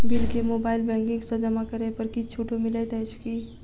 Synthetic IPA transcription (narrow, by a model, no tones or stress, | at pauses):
bɪlkemoːbaːɪlbɛ̃ːŋkɪ̃ŋɡsɐd͡ʒəmakəɾepɐɾkit͡ʃʰuːʈomɪlet̪ɛːt͡ʃki